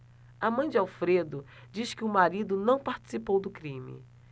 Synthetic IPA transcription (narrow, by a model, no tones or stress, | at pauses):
amɐ̃j̃d͡ʒɪawfɾed̪ʊ | d͡ʒiskɪʊmaɾid̪ʊnɐ̃w̃paɾt͡ʃi̥sipowd̪ʊkɾĩmɪ̰